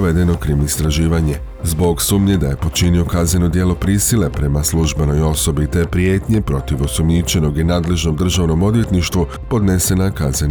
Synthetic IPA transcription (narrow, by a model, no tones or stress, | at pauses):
ʋe̞d̪e̞no̞kɾimist̪ɾaʒiːʋaɲe̞ | zbo̞ɡsuːmɲe̞d̪aje̞po̞t͡ʃinio̞kazneno̞d̪je̞lo̞pɾiːsile̞pɾe̞maslˠuʒbeno̞jo̞so̞bit̪e̞pɾjeːt̪ɲe̞pɾo̞t̪iʋo̞sumɲit͡ʃe̞no̞ɡinaːd̪le̞ʒno̞md̪r̩ʒaːʋno̞mo̞d̪ʋje̞t̪niʃt̪ʋu | po̞d̪ne̞se̞nakazen